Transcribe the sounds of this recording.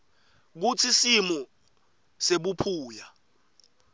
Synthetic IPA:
k̬ut͡sʰisimu | seɓupʰuːja

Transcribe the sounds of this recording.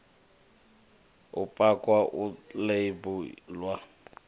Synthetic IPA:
ʊpʼakʼwaʔʊlebʊlwa

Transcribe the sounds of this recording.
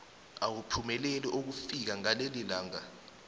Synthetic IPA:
awupʰumɛlɛlɛʔok̬ufik̬aŋalelilaːŋa

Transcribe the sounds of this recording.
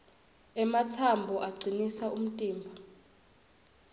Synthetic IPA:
ɛmatʰambʱɔʔaɡ͡ǀʱinisaʔum̩tʼiːmbʱa

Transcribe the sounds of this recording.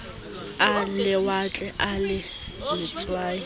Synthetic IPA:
alɪwat͡ɬʼɛʔalɪ | lɪt͡sʼwaːɪ

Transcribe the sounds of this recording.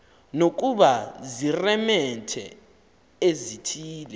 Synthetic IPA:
nok̬ʼuɓazirɛmɛtʰɛ̰ | ezitʰiːlɛ

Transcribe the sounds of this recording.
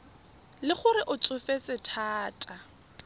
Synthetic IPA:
lɪχʊrɪʔʊt͡sʼʊfet͡sɪtʰaːtʼa

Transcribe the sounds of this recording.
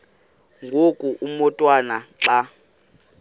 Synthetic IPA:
ŋɡʱokʼuʔumɔtʼwanaǁa

